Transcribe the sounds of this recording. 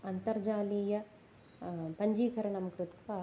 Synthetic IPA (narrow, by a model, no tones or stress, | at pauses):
ɐnt̪ɐɾd͡ʒaːliːjɐ | pɐɲd͡ʒiːkʰɐɾɐnɐmɐkɾut̪ʋɐ